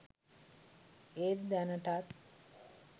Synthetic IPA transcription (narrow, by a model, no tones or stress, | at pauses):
et̪d̪ænəʈat̪